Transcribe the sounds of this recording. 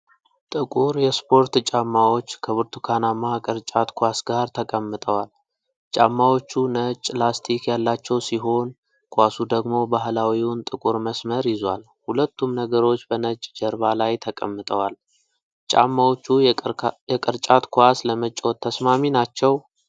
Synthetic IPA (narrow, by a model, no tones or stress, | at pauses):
t̪ʼɨkʼuɾjɛspʰo̞ɾt̪t͡ʃʼamːawo̞t͡ʃːkʰəβɨɾt̪ʰukʰanamakʼɨɾt͡ʃʼat̪kʰʷasɡaɾt̪ʰəkʼəmːɨt̪ʼəwal | t͡ʃʼamːawo̞t͡ʃːunət͡ʃʼlast̪ʰikjalːat͡ʃːɛwsiɦo̞n | kʰʷasud̪əɡmo̞baɦlawiwʊnt̪ʼɨkʼuɾməsməɾjɪzwa̰l | hulət̪ːumnəɡəɾo̞t͡ʃːbənət͡ʃʼd͡ʒəɾbalajt̪ʰəkʼə̰mːɨt̪ʼəwal | t͡ʃʼa̰mːawot͡ʃːujɛkʼɨɾt͡ʃʼat̪kʰʷasləmət͡ʃʼːot̪ʰːəsmaminat͡ʃːɛw